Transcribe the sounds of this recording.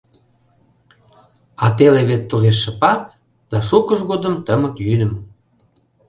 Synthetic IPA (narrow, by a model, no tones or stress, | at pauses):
ɑt̪eleβet̪ːuɣeʃːə̆pɑp̚ | d̪̥ɑʃukəʃɣod̪ə̆mt̪əməkjynə̆m